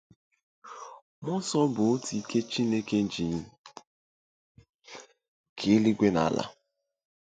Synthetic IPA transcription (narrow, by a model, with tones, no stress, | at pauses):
mʊ˦sɔ˦bʊ˨o˦ti˨˦ke˦t͡ʃi˦ne˦ke˦n̩˦d͡ʒi˨ɲ˦ | kʰe˨˦li˦ɡʷe˦na˨a˦la̰˨